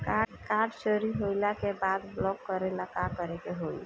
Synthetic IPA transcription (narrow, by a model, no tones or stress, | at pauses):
kakaɾɖt͡ʃəɾiɦojlakebad̪blɔkːəɾenakakəɾekeɦoi